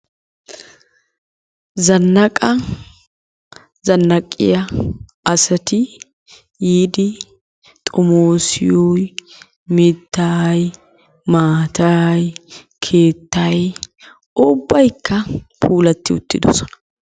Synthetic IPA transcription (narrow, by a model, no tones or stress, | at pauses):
zɐnːɐkʼɐ | zɐnːɐkʼːɪ̰jɐ | ɐsɐt̪ɪ | jiːd̪ɪ | t̪ʼɔmoːsɪ̰jɔj | mɪt̪ːaj | maːt̪ɐj | kʰe̞ːt̪ːɐj | ʊbːɐjkːɐpʰuːlɐt̪ːɪʊ̰t̪ːɪd̪ɔsɔnɐ̥